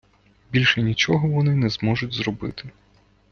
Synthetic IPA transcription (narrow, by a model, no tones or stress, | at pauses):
bʲilʲʃɛnʲit͡ʃɔɦɔʋɔnɪnɛzmɔʒʊtʲzɾɔbɪ̰t̪ɪ